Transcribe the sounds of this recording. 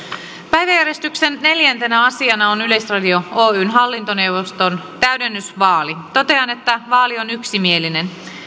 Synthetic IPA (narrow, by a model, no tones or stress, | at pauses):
pæjʋæjæɾjest̪yksenːe̞ljænt̪e̞næɑsiɑnɑonyle̞jsrɑdio̞oːyːnɦɑlːint̪one̞wʋost̪ont̪æɥdenːysʋɑːlit̪o̞t̪e̞ɑne̞t̪ːæʋɑːlio̞nyksimie̞line̞n